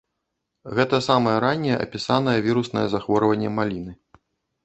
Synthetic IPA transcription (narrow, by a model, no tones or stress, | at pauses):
ɣɛt̪ɐsamɐjɛɾanʲːɛjɛʔɐ̰pʲisanɐjɛvʲiɾusnɐjɛzaxvɔɾɐvɐnʲːɛmalʲinɨ